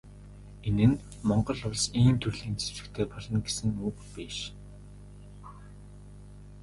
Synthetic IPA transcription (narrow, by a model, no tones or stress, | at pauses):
enɘ̆n | mɔɴɢɞ̆ɮʊɮsiːnt̪ʰɵrɮiːnt͡sʰe̥ɘ̆kt̪ʰeːpɔɮɞ̆nɡesɘ̆ŋuːkpiːʃ